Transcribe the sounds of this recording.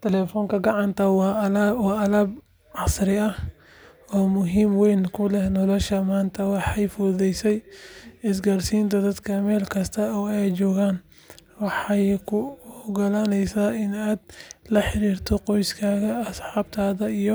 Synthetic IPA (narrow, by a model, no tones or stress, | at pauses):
t̪ʰɛlɛfɔːŋkʰɐɡɑʕɑnt̪ʰɐwwɑːɐlɐːb | ʕɑsɾɪɐ | ɔːmʊɦiːmwɛjnkʰʊlɛhnɔlɔʃɐmaːnt̪ʰɐwɑħɑjfʊɾðɛjsɛjɪs̬ɡaːrsiːnt̪ʰɐd̪ɐd̪kʰɐmɛːlkʰɐst̪ʰɐɔːɛjt͡ʃɔːɣaːn | wɑħɑjkʰʊɡɐlaːnɛjsaːɪnaːd̪lɐħɪɾiːrt̪ʰɔqɔjskʰaːɣɐɐsħɑːbt̪ʰaːðɐijɔ